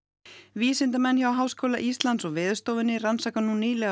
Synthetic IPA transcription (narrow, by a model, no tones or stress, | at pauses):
viːsɪnt̪amɛnːçjawɦaːwskoːwlaʔist̪lant̪sɔɣvɪːðʏst̪oːwvɪnːɪransaːkanuniːlɛ